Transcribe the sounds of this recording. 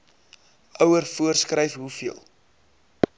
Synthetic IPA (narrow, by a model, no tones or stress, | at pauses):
œwərfuərskrəjfɦufiəlˠ